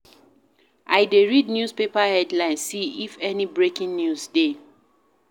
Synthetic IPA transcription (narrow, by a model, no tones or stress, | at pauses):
ʔajdeɹidnjuspepahɛdlãɪ̃nsːiifɛnibɹekĩŋnjusde